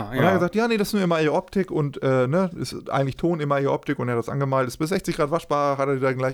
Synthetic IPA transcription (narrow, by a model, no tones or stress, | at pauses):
ʔʊnaɡəzaːktjaːnedasɪ̥snuːɪmaiːʔɔptɪkʊntʔɛːnəɛsʔa̰ɪɡŋ̩tlɪçtʰoːnɪmɐiʔɔ̰p̚tɪkʊnteːhadasʔa̰nɡəmaːltɪstb̥ɪszɛçt͡sɪçɡ̥ʁaːtv̥aʃb̥aːʁɐɦateːɐdiːdaɡlaɪ